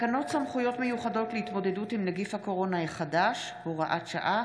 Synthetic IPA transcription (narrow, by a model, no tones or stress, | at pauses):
kano̞tsamχujo̞tmejuχado̞tleitmo̞de̞dutimneɡifhako̞ʁo̞naeχadaʃ | hoʁaʔatʃa̰ʔa